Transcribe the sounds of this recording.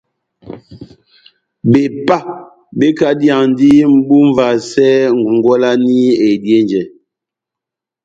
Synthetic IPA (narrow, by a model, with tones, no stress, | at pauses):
be˨pa˦ | be˦ka˦dja˨ŋn˦di˦m̩˦bu˦ɱ˦va˨sɛ˦ŋ˨ŋ˨ɡɔ˦la˦ni˦e˨dje˦nd͡ʒɛ˨